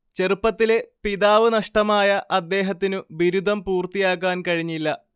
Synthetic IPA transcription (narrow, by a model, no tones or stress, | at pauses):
t͡ɕe̞rupːɐt̪ːile̞piðaːʋɨnɐʂʈɐmaːjɐʔɐd̪ːe̞ːɦɐt̪ːinɨʋiɾud̪ʱɐmpuːrt̪ijaːk̬ːaːnkɐɻiɲːilːɐ